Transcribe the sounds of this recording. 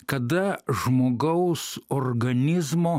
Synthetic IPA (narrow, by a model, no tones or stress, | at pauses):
kɐd̪ɐʒmoːɡɐʊsoːrɡɐnʲɪzmoː